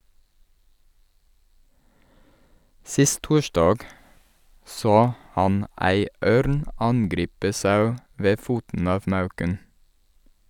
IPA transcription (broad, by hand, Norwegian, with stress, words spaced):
ˈsɪst ˈtuːʃdɑːɡ ˈsoː ˈhɑn ˈæɪ ˈøːɾn ˈɑnɡɾiːpə ˈsɑʉ ˈʋeː ˈfuːtn̩ ˈɑːʋ ˈmɑʉkən